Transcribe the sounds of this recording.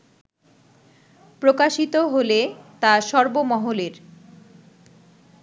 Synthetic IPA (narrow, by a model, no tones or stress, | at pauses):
pɾokaʃit̪oɦolet̪aʃɔɾbomɔɦoleɾ